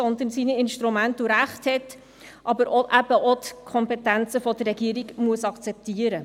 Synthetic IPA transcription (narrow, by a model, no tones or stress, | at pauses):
sɔnd̪ənsiːniɪnʃtɾumæntuɾæχthɛt | ʔɑbəɾʔoʔæb̥əʔɔt̪kʰχɔmpɛtænt͡səfɔd̥̪ərːɛɡiəɾiɡmuəsɑkt͡sɛp̚tiəɾə